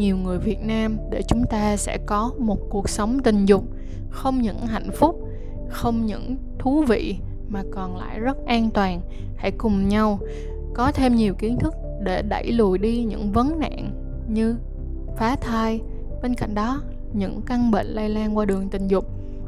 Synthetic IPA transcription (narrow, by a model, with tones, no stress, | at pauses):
ɲi˨˩əwŋɨ˨˩əjvi˨˩ət̚naː˧mɗe˧˩t͡ɕʊ˨˦ŋ͡mt̪aː˧sɛ̰˧˥kɔ˨˦mo˨˩t̚ku˨˩ək̚sə˨˦wŋ͡mt̪ï˨˩ŋ̟zʊ˨˩k͡p̚ | xə˧wŋ͡mɲɨ̰˧˥ŋɦa̰˧˨jŋ̟fʊ˦˥k͡p̚ | xə˧wŋ͡mɲɨ̰˧˥ŋ | t̪ʰu˨˦vḭ˧˨ | maː˨˩kɔ˨˩nla̰ː˧˨jzə˦˥t̚ʔaː˧nt̪waː˨˩n | ha̰˧˥˩jkʊ˨˩ŋ͡mɲa˧w | kɔ˨˦t̪ʰe˧mɲi˨˩əwki˨˦ənt̪ʰɨ˦˥k̚ | ɗe˧˩ɗa̰˧˩jlu˨˩əjɗi˧ɲɨ̰˧˥ŋvə˨˦nna̰ː˧˨n | ɲɨ˧ | faː˨˦t̪ʰaː˧j | ɓe˧nka̰˧˨jŋ̟ɗɔ˨˦ | ɲɨ̰˧˥ŋka˧ŋɓḛ˧˨ŋ̟la˧jlaː˧nkwaː˧ɗɨ˨˩əŋt̪ï˨˩ŋ̟zʊ˨˩k͡p̚